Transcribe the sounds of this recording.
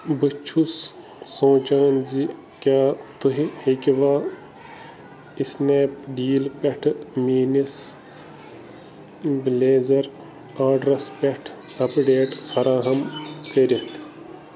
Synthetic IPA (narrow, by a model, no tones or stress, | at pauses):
bɨt͡ʃʰusː | õːt͡ʃaːnzi | kʲaːt̪uɦihekiʋaː | isneːpɖiːlpʲɐʈʰmiːnis | bleːzɐɾ | aːɖɾɐspʲɐʈʰ | ɐpɖeːʈfɐɾaːɦɐmkɐɾʲɐt̪ʰ